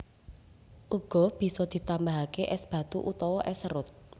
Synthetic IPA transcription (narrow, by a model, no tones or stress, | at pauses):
ʔuɡ̥ɔ̤b̥i̤sɔd̪̥i̤t̪ambaɦakeʔɛsb̥ä̤t̪uʔut̪ɔwɔʔɛsəɾʊt̪̚